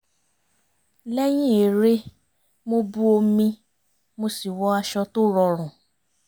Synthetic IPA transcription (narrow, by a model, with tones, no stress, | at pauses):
lɛ˦j̃ĩ˦e˨ɾe˧ | mo˧bu˦o˧mĩ˧ | mo˧si˨wɔ˨˦a˧ʃɔ˧to˦ɾɔ˧ɾ̃ɔ̃˨